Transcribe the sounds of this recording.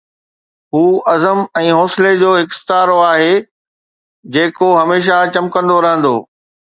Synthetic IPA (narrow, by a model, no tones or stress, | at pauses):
ɦuːɐzəmɛ̃ːɦɔːsled͡ʑoːɦɪkst̪aːɾoaːɦeː | d͡ʑeːkoɦɐmeːʃ̬at͡ɕɐ̃mkə̃nd̪oɾɐɦə̃nd̪oː